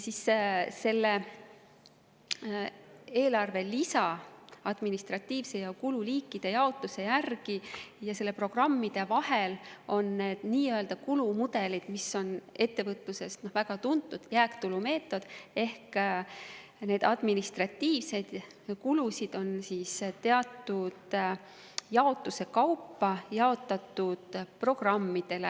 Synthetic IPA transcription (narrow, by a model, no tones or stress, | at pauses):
jsisse̞lːe̞ | e̞ːlɑrve̞lisɑɑd̪̥minist̪rɑt̪ːiːvse̞jɑkululiːkːˑid̪̥e̞jɑo̞t̪ˑuse̞jærɡ̥ijɑse̞lːe̞pro̞ɡ̥rɑmːid̪̥e̞vɑhelo̞nːe̞ːd̪̥niːøld̪̥ɑkulumud̪̥e̞lid̪̥misːo̞ne̞t̪ːe̞vɤt̪luse̞st̪no̞hvæɡ̥ɑt̪unt̪ːˑud̪̥jæːkt̪ulume̞ːt̪ːˑo̞d̪̥e̞hk | ne̞ːd̪̥ɑd̪̥minist̪rɑt̪ːiːvse̞d̪̥ | kulusid̪̥o̞nsiːst̪e̞ɑt̪ːˑud̪̥ | jɑo̞t̪ːˑuse̞kɑwpːɑjɑo̞t̪ːˑɑt̪ːˑud̪̥pro̞ɡ̥rɑmːid̪̥e̞lḛ